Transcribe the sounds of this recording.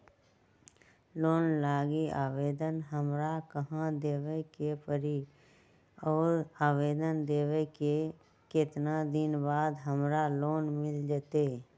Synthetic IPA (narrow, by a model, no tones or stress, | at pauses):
loːnlaːɡiaːweːd̪ənɦəmɾakəɦãd̪eːwekepəɾi | ɔːɾaːweːd̪ənd̪eːweke | kɪt̪nad̪ɪnbaːd̪ɦəmɾaloːnmɪld͡ʒət̪eː